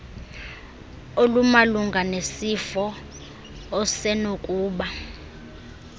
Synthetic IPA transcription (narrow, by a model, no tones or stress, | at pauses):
olumaluŋɡʱanesifɔː | sɛnokʼuːɓa